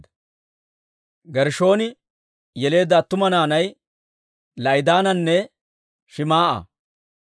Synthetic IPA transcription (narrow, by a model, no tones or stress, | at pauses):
ɡɛɾʃo̞ːnɪ | jɛle̞ːd̪at̪ːʊmɐnaːnɐj | lɐjd̪aːnɐnːɛ | ʃɪmaːʔɐ̰